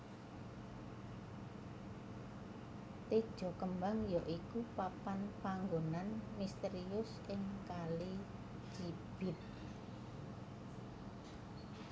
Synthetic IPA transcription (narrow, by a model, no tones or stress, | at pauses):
t̪ed̥ʒ̥ɔ̤kəmbaŋjɔʔikupapanpaŋɡonanmist̪eɾiʊsʔɪŋkali | d͡ʒib̥ɪt̪̚